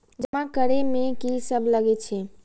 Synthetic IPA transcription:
d͡ʒəmãkəɾemekisəbʱləɡɛt͡ʃʰɛ

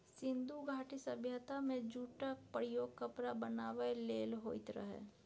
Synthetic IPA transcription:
sɪ̃nd̪uɡʱaːʈisəbʱjət̪amẽd͡ʒuːʈək̚pɾɪjoːɡ̚kəpɾabənaːʋəleːlɦoːɪt̪ɾə̰ɦɛ̰ː

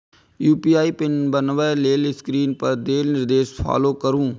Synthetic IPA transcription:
juːpiːaːiːpɪnbənʋɛːleːlɪskɾiːnpəɾd̪eːlnɪɾd̪eːʃpʰa̰ːloːkəɾũː

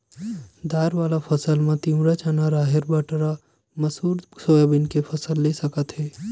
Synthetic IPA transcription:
d̪aːɾʋaːlapʰɐsəlmãt̪ĩwɾat͡ʃanaɾaːɦɪɾbəʈɾa | mɐsuːɾsoːjabɪnkepʰɐsəlːesəkət̪ɦɛː

